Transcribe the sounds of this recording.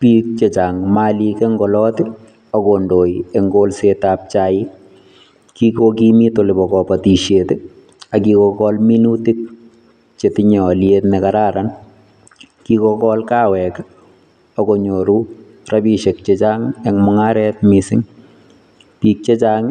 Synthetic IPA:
pik̚t͡ʃet͡ʃaŋmalikɛŋɡɔlɔtɪ | ɔkondojeŋɡolsetap̚t͡ʃajɪ | kikokimitolɪbɔkɔpatiʃjetɪ | akikɔkɔlminutik̚ | t͡ʃetɪɲɔljetnɛkaɾaɾan | kikɔkɔlkawɛk | ɔkoɲoɾu | rabiʃek̚t͡ʃet͡ʃaŋɛŋmɔŋaɾɛt̚misɪŋ | pik̚t͡ʃet͡ʃaŋ

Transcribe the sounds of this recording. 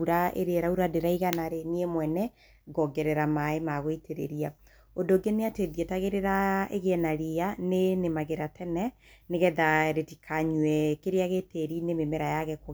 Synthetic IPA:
uɾaʔḛɾeɾauɾadeɾaiɣanaɾeniemwɛnɛ | ɡɔɡɛɾɛɾamaemaɣoitʰeɾḛɾia | odoɡeneateðjetaɣeɾeɾaeɣeɛnaɾeanenemaɣeɾatʰɛnɛ | neɣɛðaɾetikʰaɲwɛkeɾeaɣeteɾinememeɾajaɣɛko

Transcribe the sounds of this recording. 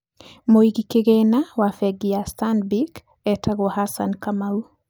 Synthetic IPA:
moiɡikeɡɛnawafɛɡijastanbik | ɛtʰaɡohasa̰nkamau

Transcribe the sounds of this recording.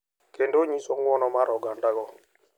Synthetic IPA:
kendoɲisɔŋwɔnɔmaɾɔɡandaɡɔ

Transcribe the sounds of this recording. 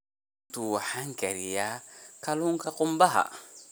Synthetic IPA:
ttuwahaŋkɛɾijakaluŋkakumbaɦa̰

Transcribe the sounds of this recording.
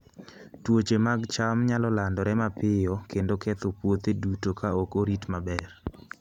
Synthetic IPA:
twot͡ʃemaɡt͡ʃamɲalɔlandɔɾɛmapɪjɔkendokɛt̪opwot̪edutokaokoɾitmabɛr

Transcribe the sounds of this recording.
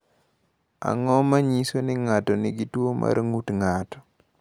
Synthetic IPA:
a̰ŋɔmaɲisonɪŋatɔnɪɡitwomʔa̰ɾŋutŋatɔ̥

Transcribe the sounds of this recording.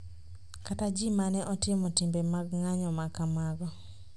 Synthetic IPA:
katad͡ʒimanɛʔɔtɪmɔtɪmbemaɡŋaɲɔmakamaɡɔ

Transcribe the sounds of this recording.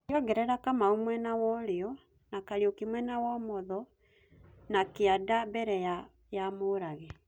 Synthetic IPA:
ɔɡɛɾɛɾakamaumwɛnawɔɾeɔ | nakaɾiɔkimwɛnawɔmɔðɔ | nakeadabɛɾɛja | jamoɾaɣɛ

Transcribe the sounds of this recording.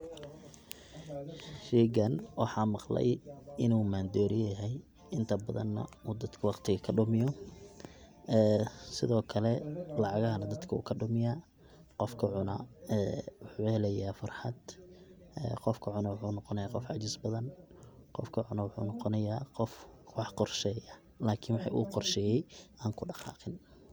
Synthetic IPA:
ʃɛːɡɐnwɑħɑːmɑqlɛ̰jɪnuːmaːnd̪ɔːɾɪjjɐɦɛj | ɪnt̪ʰɐbɐðɐ̰nːɐ̰uːd̪ɐd̪kʰɐwɑqt̪ʰɪɣɐkʰɐɖʊmɪjɔ | ɛːsɪðɔːkʰɐlɛlɑʕɑɣɐɦɐnɐd̪ɐd̪kʰɐṵːkʰɐɖʊmɪjaː | qɔfkʰɐʕʊnɐɛːwʊħuːhɛlɛjaːfɐrħɑd̪ | ɛ̰ːqɔfkʰɐʕʊnɐwʊħuːnɔqɔnɐjaːqɔfʕɑ̰t͡ʃɪsbɐðɐnqɔfkʰɐʕʊnɐwʊħṵːnɔqɔnɐjaːqɔfwɑħqɔrʃɛːjɐ | laːkʰɪnwɑħɑ̰ʔṵːqɔrʃɛːjɛjʔaːŋkʰʊɖɑqɑ̰ːqɪn

